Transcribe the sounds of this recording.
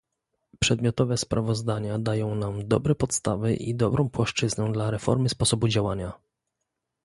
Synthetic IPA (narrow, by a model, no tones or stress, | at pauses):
pʂɛd̪mʲjɔt̪ɔvɛspɾʔavɔzd̪aɲad̪ajɔ̃w̃namd̪ɔ̰bɾɛpɔt̪st̪avɛʔid̪ɔbɾʔɔ̃w̃pwaʂt͡ʂɘznɛw̃d̪laɾɛfɔ̰ɾmɘspɔsɔbud͡ʑawaɲa